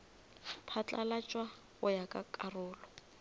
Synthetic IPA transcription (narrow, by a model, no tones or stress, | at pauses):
pʰat͡ɬʼalat͡ʃʼwa | ɣʊjakʼakʼarʊːlɔ